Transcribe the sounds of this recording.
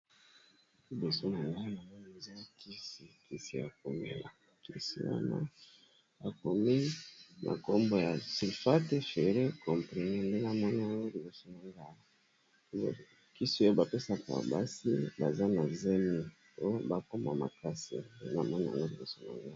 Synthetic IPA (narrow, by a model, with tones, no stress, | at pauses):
ki˨bo˨so˦na˨ŋɡa˦a˨ŋɡo˦e˨za˦ki˦si˨ki˨si˨ja̰˨k̚o˨mḛ˦la˨ | ki˦sḭ˨˦wa̰˦na̰˦ | a˨ko˨mi˦mʔa̰˨ko˦mbo˨ja˨si˨fa˦te˦fe˨ʁe˦kʰɔ˨mpi˨ne˦nde˦na˨mɔ˦ni˦ja˨ŋɡo˦li˨bo˨so˦na˨ŋɡa˦˨˦ | ki˦si˦o˦ba˨pe˦sa˨ka̰˨ba̰˦si˦ba˨za˦na˨ze˦mi˨ | o˦jo˦ba˨ko˦ma̰˨ma̰˨ka˦sḭ˨ndḛ˦n˨a˨mɔ˦ni˦˨a̰˨ŋɡo˦li˨bo˨so˦na̰˨ŋɡa˦˨